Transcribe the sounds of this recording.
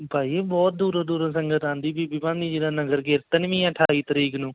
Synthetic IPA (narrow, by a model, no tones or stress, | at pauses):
paːiːeːbɔːt̪̚d̪uːɾãːd̪uːɾãːsəŋɡət̪ãːnd̪iːbiːbiːpãːnd̪iːd͡ʒeːɽãːnəɡəɾɡɪɾt̪ənʋĩːəʈʰaːiːt̪əɾiːknũː